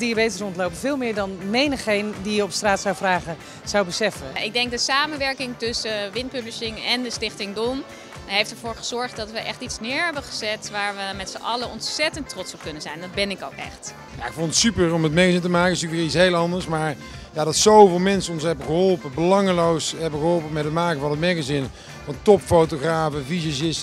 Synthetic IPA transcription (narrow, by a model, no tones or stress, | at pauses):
diabejtərɔntlowpəvɪːlˠmɪːɹdɑnmejnəχejndijəɔpstraːtsawvraːχə | z̥awbəsɛfəʔɪɡ̚dɛŋk̚dəsaːmənʋɛɹkɪŋtɵsəʋɪntpøndəɹsɪŋɛndəstɪχtɪŋdɔm | ɦejftəɹvʊːɹχəz̥ɔɹχtdɑtʋəʔɛχtitsnɪːɹɦɛbəχəzɛtʋaːɹʋəmɛtsəʔɑləɔntsɛtəntrɔtsɔp̚kɵnənzɛjndɑd̚bɛnɪko̰wkɛ̰χt | ja̰ɪkfɔntətsypəɹɔmətmɛɣazɪntəmaːkənɪsykʋɪːɹitsɦejlˠɑndəɹsmaːɹ | jaːdɑtsowvɪːlˠmɛnsənɔnsɦɛbəχəɦɔlˠpəbəlɑŋlowsɦɛbəɣəɦɔlˠpəmɛtɦətmaːkəvɑnɦətmɛɣazɪn | vɑntɔpfowtoχraːvəvizəsɪs